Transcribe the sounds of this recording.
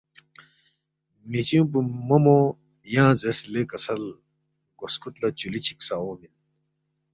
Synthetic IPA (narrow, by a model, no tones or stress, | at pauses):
mit͡ɕjũp̬umɐmo | jãːzeslekɐsɐl | ɡoskut̪lɐt͡ɕulit͡ɕʰi̥ksaoːmin